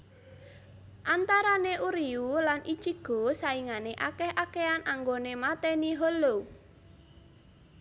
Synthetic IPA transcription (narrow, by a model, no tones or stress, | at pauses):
ʔant̪aɾaneʔuɾiulanʔi̥t͡ʃiɡ̥o̤saiŋaneʔakɛhʔakeanʔaŋɡonemat̪ɛniɦɔlo